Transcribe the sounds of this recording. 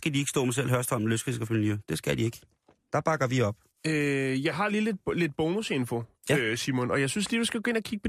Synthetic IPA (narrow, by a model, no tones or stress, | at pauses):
sɡ̥ædieɡ̥sd̥ɔ̰̽ːmæsel̰ɦɶɐsd̥ɒ̽mløsɡ̥ɐsɡ̥æfønlyd̥e̝sɡ̥æd̥ie̝ɡ̥ | d̥ɑ̈b̥ɑ̈ɡ̥ɐʋiɒ̽b̥ | øjɑ̈ɪɦɑ̈liːle̝d̥̚le̝d̥̚b̥oːnuse̝nfo | jæøsiɐmonɒ̽jɑ̈ɪsynsliːdusɡ̥æɡ̥ɔ̽e̝nɐkʰiɡ̥̚pʰɒ